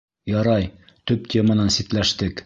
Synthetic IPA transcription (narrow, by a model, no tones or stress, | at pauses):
jɒɾɑj | t̪ɵp̚t̪ʲemənɑnsit̪læʃt̪ɘk